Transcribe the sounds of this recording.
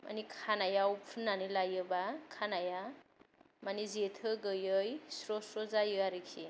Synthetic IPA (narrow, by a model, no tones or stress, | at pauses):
ma̰nikʰanajawupʰunːanilajɯbakʰanaja | manizetʰɯɡɯjɯjsɾɔsozajɯaɾikʰi